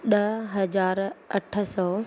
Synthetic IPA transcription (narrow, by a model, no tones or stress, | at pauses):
ɗɐɦɐzaːɾɐʈʰəsɔː